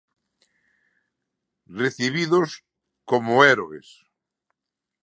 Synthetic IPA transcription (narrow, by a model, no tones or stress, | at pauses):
reθiβiðos | komoɛɾoḛs